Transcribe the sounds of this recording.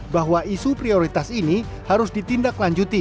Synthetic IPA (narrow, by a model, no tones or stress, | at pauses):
baɦwaʔisupɾioɾit̪asini | haɾʊsdit̪indaklaɲd͡ʒut̪i